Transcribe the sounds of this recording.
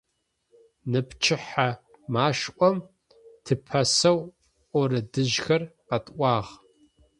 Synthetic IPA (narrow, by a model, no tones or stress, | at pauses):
nɨpʰt͡ʃʰɪħa | maːʃʔʷɔm | tʰɨpʰɐsɐw | ʔʷɔɾɨdɨʒxɐrqɐtʼʔʷɑːʁ